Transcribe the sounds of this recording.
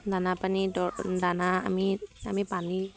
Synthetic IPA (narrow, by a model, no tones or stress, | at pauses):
d̪anapanidɔd̪anaa̰miamipani